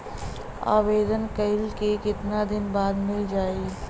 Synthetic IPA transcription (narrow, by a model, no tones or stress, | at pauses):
a̰ːʋeːd̪ənkɐɪlkekɪt̪nad̪ɪnbaːd̪mɪld͡ʒaːi